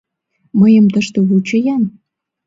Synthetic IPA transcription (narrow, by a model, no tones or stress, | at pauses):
məjəmt̪əʃt̪eβut͡ɕəjɑn